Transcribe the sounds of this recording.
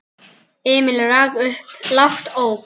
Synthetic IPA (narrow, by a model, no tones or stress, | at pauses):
ɪːmɪlɛɾaɣʏhplaft̪ow